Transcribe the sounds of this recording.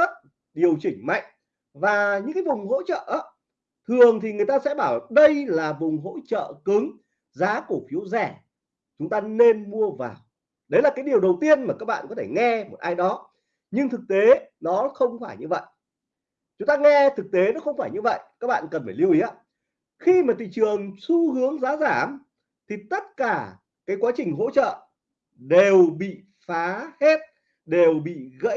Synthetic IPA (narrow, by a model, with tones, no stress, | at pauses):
ə˦˥t̚ | ɗi˨˩əwt͡ɕï˧˩ŋ̟ma̰˧˨jŋ̟ | vaː˨˩ɲɨ̰˧˥ŋkaː˨˦jvʊ˨˩ŋ͡mɦo̰˧˥t͡ɕə̰ː˧˨ʔa˨˦ | t̪ʰɨ˨˩əŋt̪ʰi˨˩ŋɨ˨˩əjt̪aː˧sɛ̰˧˥ɓaː˧˩wɗə˧jlaː˨˩vʊ˨˩ŋ͡mɦo̰˧˥t͡ɕə̰ː˧˨kɨ˨˦ŋ | zaː˨˦ku˧˩fi˨˦əwzɛ˧˩ | t͡ɕʊ˨˦ŋ͡mt̪aː˧ne˧nmu˧əvaː˨˩w | ɗə˨˦jlaː˨˩kaː˨˦jɗi˨˩əwɗə˨˩wt̪i˧ənmaː˨˩kaː˦˥k̚ɓa̰ː˧˨nkɔ˨˦t̪ʰe˧˩ŋɛ˧mo˨˩t̚ʔaː˧jɗɔ˨˦ | ɲɨ˧ŋt̪ʰɨ˨˩k̚t̪e˨˦nɔ˨˦xə˧wŋ͡mfaː˧˩jɲɨ˧və̰˧˨jʔ | t͡ɕʊ˨˦ŋ͡mt̪aː˧ŋɛ˧t̪ʰɨ˨˩k̚t̪e˨˦nɔ˨˦˥xə˧wŋ͡mfaː˧˩jɲɨ˧və̰˧˨jkaː˦˥k̚ɓa̰ː˧˨nkə˨˩nfaː˧˩li˧wʔi˨˦a˦ | xi˧maː˨˩t̪ʰḭ˧˨t͡ɕɨ˨˩əŋsu˧hɨ˨˦əŋzaː˨˦zaː˧˩m | t̪ʰi˨˩t̪ə˦˥t̚kaː˧˩ | kaː˨˦jkwaː˨˦t͡ɕï˨˩ŋ̟ɦo̰˧˥t͡ɕə̰ː˧˨ | ɗe˨˩wɓḭ˧˨ | faː˨˦hɛ˦˥t̚ | ɗe˨˩wɓḭ˧˨ɣə̰˧˥